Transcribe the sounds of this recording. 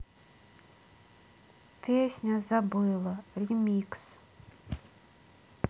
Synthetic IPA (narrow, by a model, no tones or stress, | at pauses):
pʲesʲnʲazabɨjlˠaɾʲimʲiːks